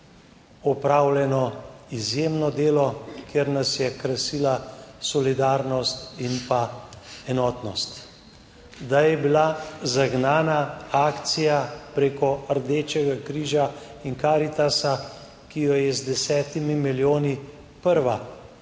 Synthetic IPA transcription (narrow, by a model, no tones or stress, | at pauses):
ɔpɾaːwljɛnɔizjeːmnɔd̪eːlɔkeɾnasjɛkɾasiːlasɔlid̪aːɾnɔst̪inpaɛnɔːt̪nɔst̪ | d̪ajɛbilazaɡnaːnaaːkt̪sijapɾeːkɔɾd̪eːt͡ʃɛɡakɾiːʒainkaːɾit̪asa | kijɔjɛzd̪ɛsɛːt̪imimiljoːni | pəɾʋa